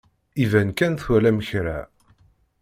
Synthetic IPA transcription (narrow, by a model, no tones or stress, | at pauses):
ivænkænθwælæməçɾæ̰